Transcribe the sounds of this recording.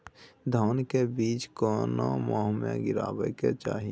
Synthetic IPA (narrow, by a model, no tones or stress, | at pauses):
d̪ʱɔːnkebiːt͡ʃkoːno̰mɔːɦmḛ̃ɡɪɾa̰ːbəket͡ʃaːɦi